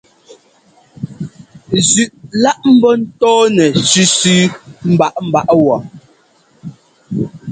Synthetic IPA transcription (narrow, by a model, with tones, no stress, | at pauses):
zʉ˨ʔla˦ʔm̩˦bɔ˦n̩˦tɔː˦nɛ˨ʃʉ˦sʉ˦m̩˦ba˦ʔm̩˦˨ba˦ʔwɔ˨